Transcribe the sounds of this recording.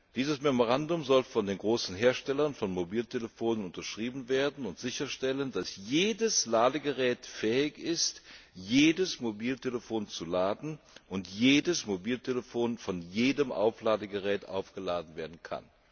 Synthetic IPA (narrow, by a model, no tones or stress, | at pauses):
d̥iːzəsmɛmoʁ̞andʊmzɔlfɔndeːnɡʁoːsn̩ɦeːɐʃtɛlɐnfɔnmobiːltʰeləfoːnənʊntɐʃʁ̥iːbm̩veːɐdn̩ʊntz̥ɪçɐʃtɛləndasjeːdəslaːdəɡəʁɛːtfɛːɪçɪstjeːdəsmobiːltʰeləfoːnt͡sulaːdn̩ | ʔʊntjeːdəsmobiːltʰeləfoːnfɔnjeːdəmʔa̰ʊflaːdəɡəʁɛːtʔa̰ʊfɡ̥əlaːdn̩veːɐdn̩kʰa̰n